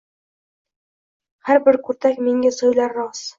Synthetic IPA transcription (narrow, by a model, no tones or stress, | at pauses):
hæɾbɘɾkʉɾt̪ækmiŋɡɘsŏjlˠɑɾːɑs